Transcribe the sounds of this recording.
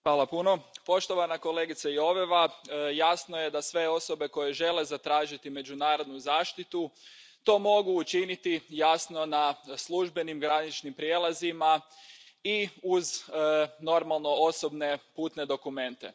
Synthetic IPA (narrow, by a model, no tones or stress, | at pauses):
xʋaːlˠapuno̞po̞ʃt̪o̞ʋanako̞leɡit̪saio̞ʋeʋajasnoje̞d̪asʋe̞o̞so̞be̞ko̞je̞ʒe̞le̞zat̪ɾaːʒit̪ime̞d͡ʒunaːɾo̞d̪nuzaːʃt̪it̪ut̪o̞ːmo̞ɡuːt͡ʃinit̪ijasno̞naslˠuʒbe̞nimɡɾanit͡ʃnimpɾjeːlˠazima | iuzno̞ɾmalˠno̞oso̞bne̞puːt̪ne̞d̪o̞kume̞nt̪e̞̰